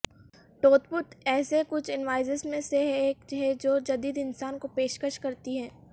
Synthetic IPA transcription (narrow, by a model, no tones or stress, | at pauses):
ʈoːt̪pʊt̪ɛːsekʊt͡ʃʰɪnʋaːɪzəsmẽseeːkd͡ʒɦɛd͡ʒoːd͡ʒɐd̪iːd̪ɪnsaːnkopeːʃkəʃkɐɾt̪iɦɛː